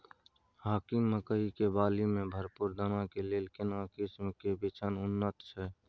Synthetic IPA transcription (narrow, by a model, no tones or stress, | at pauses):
haːkɪmːəkəɦikebaːlimẽbʱəɾpuɾd̪ənakeleːlkɪnakɪsmkebɪt͡ʃʰənʊnːət̪t͡ʃʰɛ